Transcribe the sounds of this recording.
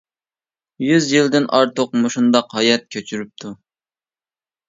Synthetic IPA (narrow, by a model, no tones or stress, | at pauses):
jyzjild̪ɪnʔɑɾt̪oqmuʃund̪ɑqhɑjɛt̪̚kʲʰøt͡ʃʰyɾyp̚t̪ʰu